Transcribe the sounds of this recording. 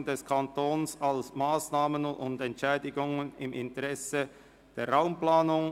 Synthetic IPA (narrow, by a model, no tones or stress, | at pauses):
ndɛskʰantoːnsalsmaːsnaːmənʊ̰ndɛntʃɛːdɪɡʊŋənɪmʔɪntəʁɛsə | d̥eːɐʁaʊmplaːnʊŋ